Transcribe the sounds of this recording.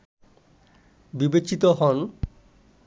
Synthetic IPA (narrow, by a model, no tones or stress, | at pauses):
bibet͡ɕit̪oɦɔn